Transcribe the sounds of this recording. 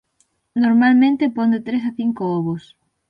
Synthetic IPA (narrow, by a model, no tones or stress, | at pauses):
noɾmalmẽnt̪epond̪et̪ɾes̬aθiŋkooβos